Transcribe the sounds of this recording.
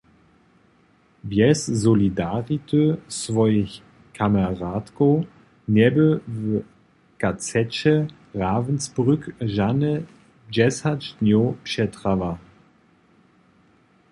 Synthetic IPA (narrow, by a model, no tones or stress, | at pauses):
vjɛszɔlidaʁitʰøsvɔjəç | kʰamaʁaːtko | nɛbəv | kat͡sɛt͡ɕɛ | ʁaːvnsbʁʏkʒanə | d͡ʒɛsat͡ʃnjopʃɛtʁava